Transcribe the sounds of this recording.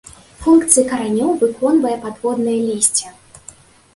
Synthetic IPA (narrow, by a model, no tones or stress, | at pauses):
funkt̪sɨjɐkɐɾanʲɔwvɨkʰɔnvɐjɐpad̪vɔd̪nɨjɐlʲisʲt͡sʲɛ